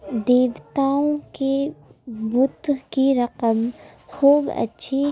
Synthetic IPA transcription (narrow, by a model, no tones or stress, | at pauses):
d̪eːʋt̪aːõke | bʊt̪ɦkiɾɐqəm | xuːbɐ̰tːʃʰi